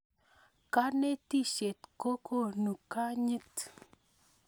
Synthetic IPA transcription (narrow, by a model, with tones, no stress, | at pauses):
ka˦ne˦ti˦˨ʃe˨tko˦ko˦˨nu˨ka˦ɲi˦t̪